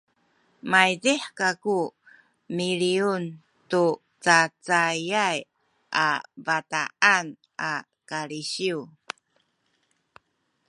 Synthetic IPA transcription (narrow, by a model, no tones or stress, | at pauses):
majdiħkaku | miɾiun | tu | t͡sat͡sajaj | ʔa̰vataʔan | ʔa | kaɾiɕiu